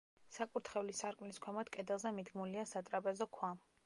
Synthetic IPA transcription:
sakʼuɾt̪ʰχɛlisaɾkʼmnliskʰɛmat̪kʼɛd̪ɛlˠzɛmid̪ɡmuliasat̪ʼɾapʼɛzɔkʰwam

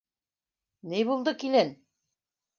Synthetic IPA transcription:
nɘjβulˠd̪ɤkilɘn

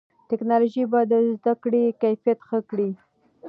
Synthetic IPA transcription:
tɪknɑloʒibad̪əzd̪akɽekajfijat̪xəkɽi

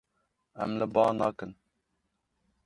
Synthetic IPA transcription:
ɛ̰mləbɑːnɑːkɨn

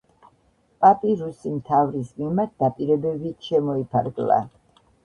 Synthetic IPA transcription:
pʼapʼiɾusimt̪ʰavɾismimaɾt̪̚d̪apʼiɾɛbɛbiʃɛmɔipʰaɾɡla̰

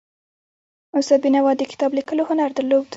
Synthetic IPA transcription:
ʊsabinawɑd̪əkɪ̥t̪ɑblikəlohʊnaɾd̪əlob̚d̪

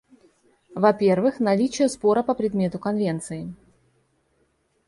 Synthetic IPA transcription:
vɐpʲe̞rvɨxnɐlʲit͡ɕɪjəspo̞ɾəpəpɾʲɪd̪mʲe̞t̪ʊkɐnvʲe̞nt̪sɨɪ

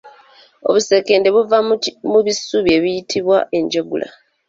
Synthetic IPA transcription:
o̞̰βuse̞ke̞ːnde̞βuvamuβisuβje̞βijitʰiβwa̰ʔe̞ɲɟoɡṵla̰

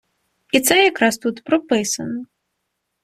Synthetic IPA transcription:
it̪sɛjakɾast̪ut̪pɾɨpɨsɐ̰nɐ

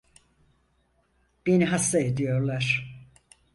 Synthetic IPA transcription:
b̥eniɦast̪aed̪ijo̞ɾlˠaɾ̥

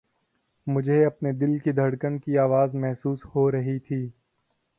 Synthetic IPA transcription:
mʊd͡ʒʱeɐpned̪ɪlkid̪ʱɐɽkənkiaːʋaːzmɛɦsuːshoɾɐɦit̪ʰiː

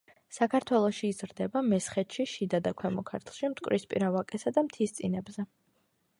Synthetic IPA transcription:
sakʰaɾt̪ʰwɛlˠɔʃiːzɾd̪ɛbamɛsχɛt̪ʃiʃid̪ad̪akʷʰwɛmɔkʰaɾt̪ʰlˠʃimt̪ʼkʼɾispʼḭɾavakʼɛsad̪amt̪ʰist̪sʼinɛbzɛ

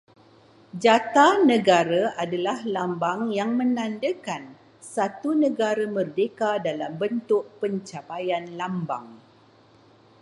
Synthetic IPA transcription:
d͡ʒat̪anə̃ɡaɾaʔadalahlambaŋjaŋmə̃nãndəkan | sat̪unə̃ɡaɾamərdekadalambənt̪ʊʔ̚pəɲt͡ʃapajanlamba̰ŋ

